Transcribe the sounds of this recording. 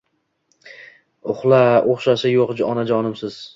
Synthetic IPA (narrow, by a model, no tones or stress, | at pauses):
ʊχlˠaoχʃaʃɪjoqd͡ʒɒnad͡ʒɒnɪmsɪz̥